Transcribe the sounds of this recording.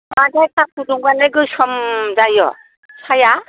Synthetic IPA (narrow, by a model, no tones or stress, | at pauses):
madajkʰak̚uduŋɡaneɡɯsɔmzajɔ̰ | sʰaja